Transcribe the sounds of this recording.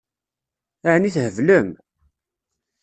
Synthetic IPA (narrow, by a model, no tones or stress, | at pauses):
aʕniθhəvləm